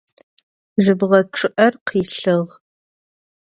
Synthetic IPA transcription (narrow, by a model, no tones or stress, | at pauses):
ʒɨbʁɐʈ͡ʂʰʼɨʔɐrqʰiːɬɨʁ